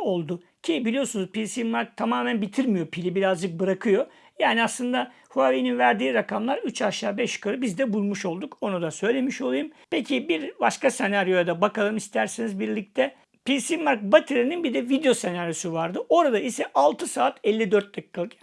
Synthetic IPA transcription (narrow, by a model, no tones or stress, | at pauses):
o̞lˠd̪ʊ | cʰibilʲijo̞sunuzpisimaɾk̚t̪ʰamaːmænbit̪ʰiɾmijo̞pʰilʲibiɾazd͡ʒɯk̚bɯɾakʰɯjo̞ | jaːniaslˠɯnd̪a | huavejninvæɾd̪iːɾakʰamlˠaɾyt͡ʃʰaʃaːbɛʃkʰɯɾɯbizd̪ɛbulˠmuʃo̞lˠd̪uko̞nud̪asø̞jlʲe̞miʃo̞lˠujumpe̞cʰibiɾbaʃkasenaɾjo̞jad̪abakalˠɯmist̪ʰæɾsenizbiɾlʲic̚t̪ʰɛ | pʰisimaɾk̚bat̪ʰeɾininbid̪ɛvid̪ejo̞se̞naɾjo̞suvaɾd̪ɯo̞ɾad̪aisɛʔalˠt̪ʰɯsaːt̪ɛlʲːid̪øɾt̪̚lʲakʰːalˠɯk